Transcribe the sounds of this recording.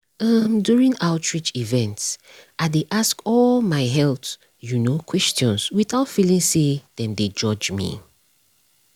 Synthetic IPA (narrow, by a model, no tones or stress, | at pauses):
ʌmdjuɹĩŋaʊtʰɹit͡ʃivɛ̃nts | ʔadeʔaskɔlmaɪɦɛlθ | junokʰwɛstɔ̃nswiθaʊtfilĩŋseð̥ɛ̃nded͡ʒɔd͡ʒmḭ